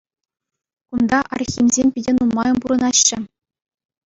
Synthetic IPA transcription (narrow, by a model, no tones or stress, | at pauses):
kund̪ɑʔɑrxʲimʲzʲemʲpʲidʲenumːɑjɤ̆mpuɾɤ̆nɑɕːɘ̆